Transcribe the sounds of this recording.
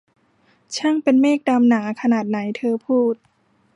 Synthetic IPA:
t͡ɕʰa˥˩ŋpe˧nmeː˥˩k̚da˧mnaː˩˦kʰa˧naː˨˩t̪̚na˩˦jt̪ʰɤː˧pʰuː˥˩t̪̚

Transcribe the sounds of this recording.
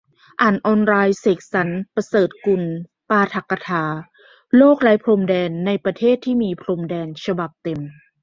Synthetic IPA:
ʔaː˨˩nʔɔː˧nɾaː˧jseː˨˩k̚sa˩˦npɾa˧sɤː˨˩t̪̚ku˧˩n | paː˧t̪ʰa˨˧˩kːa˧t̪ʰaː˨˦ | loː˥˩k̚la˦˥jpʰlo˧mdɛː˧nːa˧jpɾa˧t̪ʰeː˥˩t̪ʰːiː˥˩miː˧pʰlo˧mdɛː˧nt͡ɕʰa˧ba˨˩p̚t̪e˧m

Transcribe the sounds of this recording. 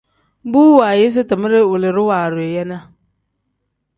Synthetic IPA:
buː˦wa˨jɪ˦s̬ɪ˦tɪ˨mɪ˦ɾɪ˦wʊ˨lɪ˨ɾɪ˦waː˨ɾʊ˨e˨jɛ˦na˦

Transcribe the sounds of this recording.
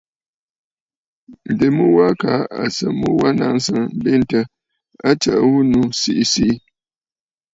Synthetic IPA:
n̩˨de˨mu˦wa˦ka˨˦a̰˨sə˨mu˦wa˦na˦ŋ˦sə˦ŋ˦be˦n˦tə˦ | a˦t͡ʃa˨ʔwu˦nu˨si˦ʔi˨si˦ʔi˦

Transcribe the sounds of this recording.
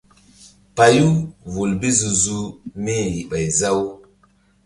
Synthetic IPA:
pa˨ju˦vu˨lbi˦zu˨zu˦ni˦ji˨ɓa˨jza˦w

